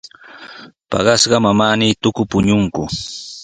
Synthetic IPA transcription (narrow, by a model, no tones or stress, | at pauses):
pɑ̰ɢɑsɢɑmamaːnit̪ʊkʊpʊɲʊŋkʊ